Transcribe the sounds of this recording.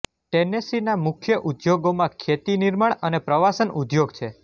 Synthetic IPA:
ʈenesinamʊkʰjəʔud̪joɡomãkʰjet̪iniɾmaɳənepɾəʋasənʔud̪joɡt͡ʃʰe

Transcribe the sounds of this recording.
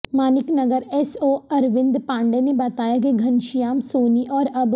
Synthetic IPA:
maːnɪknɐɡəɾɛsoːɐɾʋɪ̃nd̪pãːɳɖenebɐt̪aːjak̬eɡʱɐnʃijaːmsoːniʔɔːɾɐb

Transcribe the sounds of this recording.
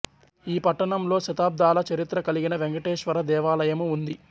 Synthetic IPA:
iːpɐʈːɐɳɐmlo̞ːʃɐt̪aːb̚d̪aːlɐt͡ʃɐɾit̪ɾɐkɐliɡinɐʋeŋɡɐʈeːʃʋɐɾɐd̪ɛːʋaːlɐjɐmuund̪i

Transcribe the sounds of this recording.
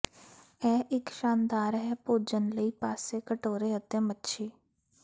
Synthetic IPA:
ɛːʔɪkʃaːnd̪aːɾɦɛːpoːd͡ʒənləiːpaːseːkəʈoːɾeːət̪ẽːmətːʃʰiː

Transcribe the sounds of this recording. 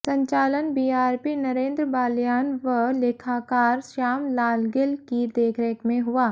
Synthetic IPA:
sɐ̃ɲt͡ʃaːlənbiːaːɾpinɐɾẽːnd̪ɾəbaːljaːnʋəleːkʰaːkaːɾʃaːmlaːlɡɪlkid̪eːkʰɾekmẽɦʊaː

